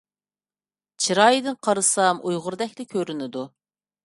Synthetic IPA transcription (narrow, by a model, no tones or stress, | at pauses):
t͡ʃʰiɾɑːjd̪ɨnqʰɑɾɨsɑmʔujʁʊɾd̪ɛkʲlɪkʲʰøɾynɪd̪u